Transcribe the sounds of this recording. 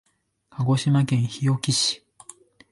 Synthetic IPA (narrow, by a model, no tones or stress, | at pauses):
kʰaɡo̞ɕimakẽ̞ɰ̃çijo̞kʲiɕi̥